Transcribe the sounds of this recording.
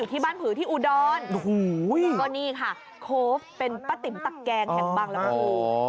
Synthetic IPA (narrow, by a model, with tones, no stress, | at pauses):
uː˨˩iː˥˩baː˥˩npʰɯː˩˦t̪ʰiː˥˩ʔuː˧˩dɔː˧n˦ | kɔː˥˩niː˥˩kʰa˥˩ | kʰoː˦˥fpe˧npa˧t̪i˨˩˦mt̪a˨˩kkɛː˧ŋhɛ˨˧˦ŋbaː˧˩ŋlɛː˦˥kɔː˥˩uː˧